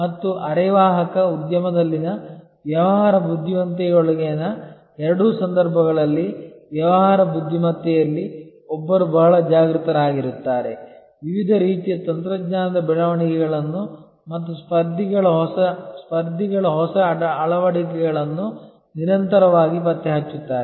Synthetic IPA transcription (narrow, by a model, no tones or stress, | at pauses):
mɐt̪ːuʔɐɾɛʋaːɦɐkɐud̪jɐmɐd̪ɐlːinɐ | ʋjɐʋɐɦɦaːɾɐbud̪ʱːiʋɐnt̪̬ɛoɭɐɡenɐ | ɛɾɐɽusɐnd̪ɐɾbʱɐɣɐɭɐlːiʋjɐʋɐɦaːɾɐbud̪ʱːimɐt̪ːɛjɐlːi | ɔbːɐɾubɐɦɐɭɐd͡ʒaːɡɾut̪ɐɾaːɡiɾut̪ːaːɾe | ʋiʋid̪ʱɐɾiːt̪ijɐt̪ɐnt̪ɾɐɡɲaːnɐd̪ɐbɛɭɐʋɐɳikɛɡɐɭɐnːu | mɐt̪ːuspɐɾd̪ʱiɡɐɭɐɦɔsɐspɐɾd̪ʱiɡɐɭɐɦɔsɐːɭɐʋɐɽik̬ɛɡɐɭɐnːu | niɾɐnt̪ɐɾɐʋaːɡipɐt̪ːɛɦɐt͡ʃːut̪ːaːɾe